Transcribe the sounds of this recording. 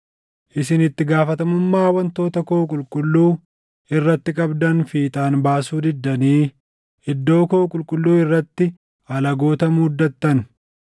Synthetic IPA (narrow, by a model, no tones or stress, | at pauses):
ʔɪsɪnɪt̪ːɪɡaːfɐt̪ɐmʊmːaːwɐnt̪o̞ːt̪ɐkoːkʼʊlkʼʊlːuː | ɪrːɐt̪ːɪkʼɐbd̪ɐnfiːt̪ʼaːnbaːsuːd̪ɪd̪ːɐniː | ɪd̪ːo̞ːkoːkʼʊlkʼʊlːuːɪrːɐt̪ːɪ | ɐlɐɡo̞ːt̪ɐmʊd̪ːɐt̪ːɐn